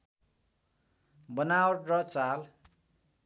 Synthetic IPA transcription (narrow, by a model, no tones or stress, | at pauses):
bʌnawʈrʌt͡sal